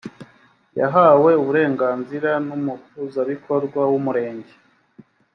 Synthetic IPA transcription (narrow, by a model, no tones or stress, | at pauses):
ja̰ɦaːwe̞uβuɾe̞ːŋɡaːnziɾanumukuzaβikʰo̞ɾɡwawumuɾe̞ːɲɟe